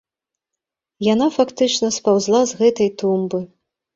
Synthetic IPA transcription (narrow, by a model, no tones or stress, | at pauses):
janafakt̪ɨt͡ʂnɐspawzlˠazɣɛt̪ɐjt̪umbɨ